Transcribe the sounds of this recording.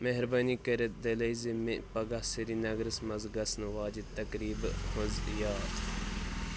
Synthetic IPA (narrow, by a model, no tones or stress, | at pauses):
meɦɾbaːnikɐɾet̪̚d̪ɐlɐizimipɐɡasiɾinɐɡɾɪsmɐzɡɐsnʋaːd͡ʒid̪̚t̪ɐkɾiːbhʊzjaːt̪